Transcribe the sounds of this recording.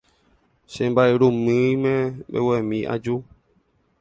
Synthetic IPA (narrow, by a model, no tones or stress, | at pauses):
sɛ̃baɾeɾomɨ̃mɛ̃bḛwɛmĩa̰d͡ʒo